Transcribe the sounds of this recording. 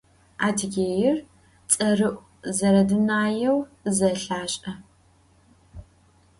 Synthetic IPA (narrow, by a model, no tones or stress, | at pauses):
aːtʰɡʲeːjɪr | t͡sʼɐrɨʔʷʼ | zɐɾɐdɨnaːjɛwzɐɬaːɕʼɐ